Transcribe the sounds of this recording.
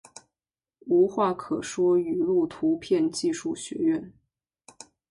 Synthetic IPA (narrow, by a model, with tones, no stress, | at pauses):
u˧˥xwa˥˩kʰɤ˨˩ʂwɔ˥y˨˩lu˥˩t̪ʰu˧˥pʰjɛ˥˧nt͡ɕi˥˧ʂu˥˩ɕɥɛ̰˧˥ɥɛ˥˩n